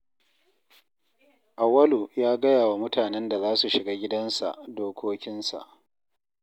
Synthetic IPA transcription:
ʔa˨wɐ˦lu˨jaː˦ɡɐ˦jaː˨wa˨mʊ˦tʰaː˨nɛ˦nda˨zaː˦su˨ʃɪ˨ɡaː˦ɡʲɪ˦dɐ˦nsa̰˨ʔdoː˦kʷoː˦kʲɪ˦nsa̰˨ʔ

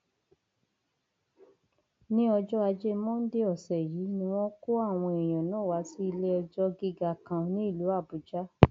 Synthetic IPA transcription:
nĩ˦ɔ˧d͡ʒɔ˦a˧d͡ʒe˦mɔ̃˦n̩˦de˦ɔ˦˨sɛ˨jiː˨˦nĩ˦w̃ɔ̃˦ko˦a˦˨w̃ɔ̃˧e˨j̃ɔ̃˨nãː˨˦˨wa˨˧˦si˦i˧le˦ɔ˧d͡ʒɔ˦ɡi˧ɡa˧˨kã˧nĩ˦i˦˨lu˨˦a˦˨bu˨d͡ʒa˦

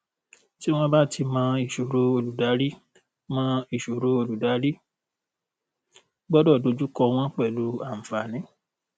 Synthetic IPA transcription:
ti˦w̃ɔ̃˦ba˦˨tʰi˧mã˧i˨ʃo˨ɾo˨˧o˧lu˨da˨˦ɾi˦ | mã˧i˨ʃo˨ɾo˨˧o˧lu˨da˨˦ɾi˦ | ɡ͡bɔ˦dɔ˦˨do˧˦d͡ʒu˦kɔ˧w̃ɔ̃˦k͡pɛ˦˨lu˨˦a˦˨m̩˨fa˨nĩ˨˦

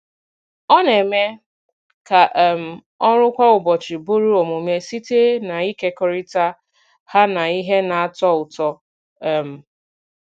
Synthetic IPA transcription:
ɔ˦ne˨me˦ | ka˨ʔm̩˨ | ɔ˦ɾʊ˦kʷa˦ʊ˨bɔ˨t͡ʃi˨bu˦ɾi˦ɔ˨mo˨me˦si˦te˦na˨i˦ke˦kɔ˦ɾi˦ta˦ | ha˦na˨i˦ɦe˦na˨a˨tɔ˦ʊ˨tɔ˦˨ | m̩˨

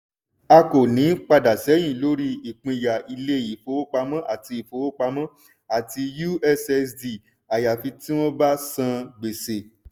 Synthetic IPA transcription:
a˧ko˨nĩ˨˦k͡pa˧da˨sɛ˨˦j̃ĩ˦˨lo˦ɾi˦i˨k͡pĩ˧˨ja˨i˧le˦˨ji˨fo˨˦o˦k͡pa˧mã˦ʔa˦˨ti˧i˨fo˨˦o˦k͡pa˧mã˦ | a˦˨ti˧ju˦ɛ˧sɛ˧sdi˨ | a˨ja˨fi˧tĩ˦w̃ɔ̃˦ba˦sã˧ɡ͡be˨se˨

